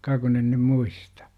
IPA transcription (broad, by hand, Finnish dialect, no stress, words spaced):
kɑ kun en nym muistɑ̥